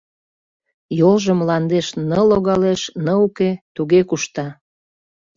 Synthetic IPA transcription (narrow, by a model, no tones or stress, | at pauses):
jolʒəmlɑnd̪eʃnəloɣɑleʃnəuket̪uɣekuʃt̪ɑ